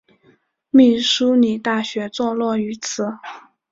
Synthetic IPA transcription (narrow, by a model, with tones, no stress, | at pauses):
mi˥˩ʂu˥ni˨˩t̪a˥˩ɕɥɛ˧˥t͡swɔ˥˧lwɔ˥˩y˧˥t͡sʰɹ̩˧˩˦